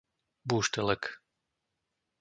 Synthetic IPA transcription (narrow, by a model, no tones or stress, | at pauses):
buːʃt̪ɛlɛk